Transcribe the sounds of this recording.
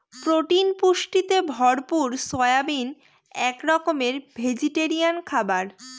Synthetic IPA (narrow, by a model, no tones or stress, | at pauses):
pɾoʈinpuʃʈit̪ebʱɔɾpuɾsɔjabin | ɛkɾɔkomeɾbʱed͡ʑiʈeɾiankʰabaɾ